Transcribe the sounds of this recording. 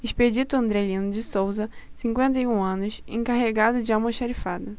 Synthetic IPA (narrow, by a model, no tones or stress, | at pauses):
eʃped͡ʒit̪ʊɐ̃nd̪ɾɛlĩnʊd͡ʒɪsowzɐsĩŋkwẽnt̪̬ɐjũɐ̃nʊsḛ̃kaɦeɡad̪ʊd͡ʒɪaw̃moʃaɾifad̪ɐ